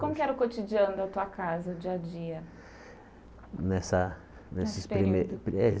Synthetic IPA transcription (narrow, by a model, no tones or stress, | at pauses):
kõmʊkɪɛɾʊkot͡ʃid͡ʒiɐ̃nʊd̪ɐt̪uɐkazɐd͡ʒiɐd͡ʒiɐ | nɛsɐ | nesɪspɾimepɾe